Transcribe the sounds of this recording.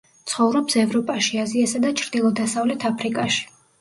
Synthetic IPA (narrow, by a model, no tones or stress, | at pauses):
t̪sʰχɔvɾɔpsɛvɾɔpʼaʃiaziasad̪at͡ʃʰɾd̪ilˠɔd̪asavlɛt̪ʰapʰɾikʼaʃi̥